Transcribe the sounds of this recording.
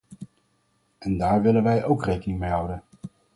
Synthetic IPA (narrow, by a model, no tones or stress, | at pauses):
ʔɛndaːɹʋɪlənʋɛjʔowkrejkənɪŋmejɦɑwdən